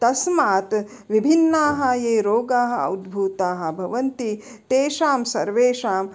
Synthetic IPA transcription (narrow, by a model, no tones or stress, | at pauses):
t̪ɐsmaːt̪ | ʋibʱinːaːɦɐjeːɾoːɡaːɦɐ̆ɐ̰wd̪bʱuːt̪aːɦɐ̆bʱɐʋɐnt̪i | t̪eːʃaːmsɐɾʋeːʃaːm